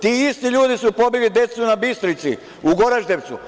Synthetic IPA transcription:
t̪iːist̪iʎuːd̪isupo̞bilid̪e̞t̪sunabist̪ɾit̪si | uɡo̞ɾaʒd̪eʋt̪su

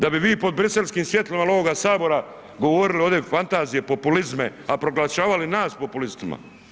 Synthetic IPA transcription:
d̪abiʋiːpo̞d̪̚bɾise̞lskiːmsʋje̞t̪lamalo̞ʋoɡasaːbo̞ɾa | ɡo̞ʋo̞ɾilio̞d̪efant̪aːzije̞po̞pulizme̞apɾo̞ɡlaʃaːʋalinaːspopulist̪ima̰

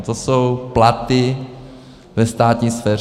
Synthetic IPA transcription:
t̪osowplat̪ɪ | vɛst̪aːt̪ɲiːsfɛː

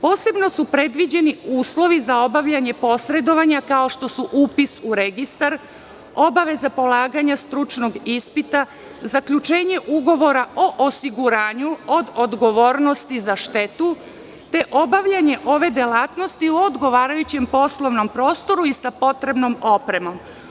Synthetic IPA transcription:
po̞ːse̞bno̞supɾe̞d̪ʋid͡ʑe̞niuːslˠo̞ʋizao̞baʋʎaɲe̞po̞sɾe̞d̪o̞ʋaɲakao̞ʃt̪o̞suʔuːpisuɾeɡist̪aɾ | o̞baʋe̞zapo̞lˠaːɡaɲast̪ɾut͡ʃno̞ɡispit̪a | zakʎut͡ʃe̞ːɲe̞ʔuɡo̞ʋo̞ɾao̞ʔosiɡuɾaːɲuo̞d̪od̪ɡo̞ʋo̞ːɾno̞st̪izaʃt̪e̞t̪u | t̪e̞ʔo̞baʋʎaɲe̞ʔo̞ʋe̞d̪elaːt̪no̞st̪iuod̪ɡo̞ʋaːɾajut͡ɕe̞mpo̞slˠo̞ʋno̞mpɾo̞ːst̪o̞ɾuisapo̞t̪ɾe̞bno̞mo̞pɾe̞mo̞m

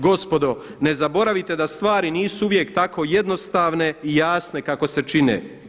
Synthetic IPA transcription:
ɡo̞spo̞d̪o̞ne̞zabo̞ɾaʋit̪e̞d̪ast̪ʋaːɾiniːsuuʋje̞kt̪ako̞je̞d̪no̞st̪aːʋne̞ijaːsne̞kako̞se̞t͡ʃinḛː

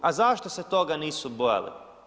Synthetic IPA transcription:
azaʃt̪ose̞t̪o̞ɡaniːsubo̞ja̰lḭ

